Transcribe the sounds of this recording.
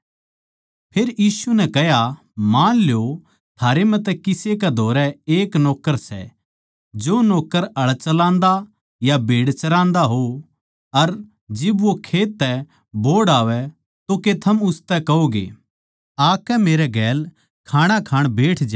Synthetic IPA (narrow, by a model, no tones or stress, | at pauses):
pʰeːɾjiːsunɛkɛɦja | mãːnljo | t̪ʰaːɾemɛ̃t̪ɛkɪsek̬ɛd̪ʱoːɾɛeːknɔːkːəɾsɛ̰ | d͡ʒoːnɔːkːəɾɐɭt͡ʃɐlãːnd̪a | jabʱeːɽt͡ʃɐɾãːnd̪aɦo | ɐɾ | d͡ʒɪbʋokʰeːt̪ːɛ | bʱoːɽaːʋɛ | t̪oket̪ʰɐmʊst̪ɛkɐoːɡḛː | aːkɛmeːɾɛɡɛːl | kʰaːɽ̃akʰaːɽ̃beːʈʰd͡ʒa